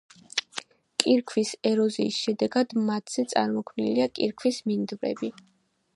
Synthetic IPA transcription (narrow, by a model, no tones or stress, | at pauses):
kʼiɾkʰwisɛɾɔziːsʃɛd̪ɛɡad̪mat̪ʰz̥ɛt̪sʼa̰ɾmɔkʰvmniliakʼḭɾkʰwismind̪vɾɛ̰bi